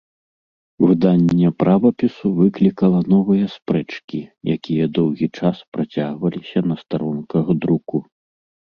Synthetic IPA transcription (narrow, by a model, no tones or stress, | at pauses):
vɨd̪anʲːɐpɾʔavɐpʲisuvɨklʲikɐlˠɐnɔvɨjɐspɾɛt͡ʂkʲija̰kʲijɐd̪ɔwɣʲit͡ʂaspɾat͡sʲaɣvɐlʲisʲɐnɐst̪aɾɔnkɐɣd̪ɾuku